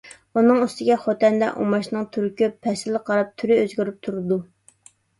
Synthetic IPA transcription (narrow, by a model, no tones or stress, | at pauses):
unɨŋyst̪ɪɡʲɛχot̪ɛnd̪ɛ̰ʔṵmɑʃnɨŋt̪ʰyɾkʲøpʰːɛsɪləqʰɑɾɑp̚t̪ʰyɾɪøzɡʲyɾyp̚t̪ʰuɾɨd̪u